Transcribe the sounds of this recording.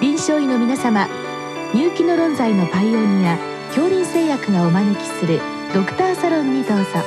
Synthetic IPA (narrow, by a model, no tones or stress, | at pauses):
bʲĩɰ̃ɕo̞ːino̞mʲinasama | ɲʲɨːkʲino̞ɾõ̞nzaino̞paiõ̞ɲːija | kʲo̞ːɾʲĩɰ̃se̞ːjakɯ̟ɡaomanekʲi̥sɨɾɯ̟ | d̪̥o̞kɯ̟̥t̪aːsaɾõ̞ɲ̟ːit̪aːsa